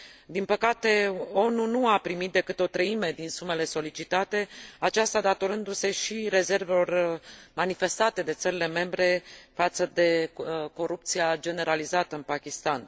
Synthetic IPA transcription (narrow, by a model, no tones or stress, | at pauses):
d̪inpəkat̪e̞o̞nunuapɾimit̪̚d̪e̞kɨt̪eo̞t̪ɾəime̞d̪insume̞le̞so̞lit͡ʃit̪at̪e̞at͡ʃast̪ad̪at̪o̞ɾɨnd̪use̞ʃiɾe̞ze̞rvelo̞rmanife̞st̪at̪e̞d̪e̞t̪səɾile̞me̞mbɾe̞fat̪səd̪e̞ko̞ɾup̚t̪siad͡ʒe̞ne̞ɾalizat̪əɨnpakʲist̪an